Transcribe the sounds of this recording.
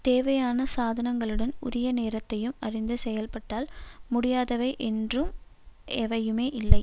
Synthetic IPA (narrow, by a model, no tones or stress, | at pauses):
t̪eːʋɐjaːnɐsaːðɐnɐŋɡɐɭɯɽɐnʊ̰ɾɪjɐneːɾɐt̪ːɐjɯmɐrɪnd̪ɯsɛjɐlpɐʈːaːlmʊɽɪjaːðɐʋɐɪʔɛndrɯm | ɛʋɐjɯmeːʔɪlːɐɪ